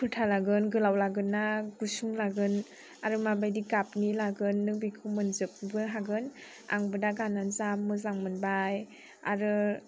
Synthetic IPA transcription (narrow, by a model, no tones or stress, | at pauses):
pʰɯtʰalaɡɯnɡɯlawlaɡɯnːaɡ̥usuŋlaɡɯn | aɾɯmabajdiɡapnilaɡɯnːɯŋbikʰɯwmɯnzɯp̚bɯɦaɡɯn | a̰ŋbɯdaɡananzamːɯzaŋmɯnbaj | a̰ɾɯ